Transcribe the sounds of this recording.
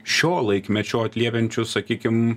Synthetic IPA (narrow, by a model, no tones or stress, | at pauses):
ʃʲoːlˠɐɪkmʲɛt͡ʃʲoːɐt̪ʲlʲiɛpʲɛnʲt͡ʃʲʊsɐkʲiːkʲɪm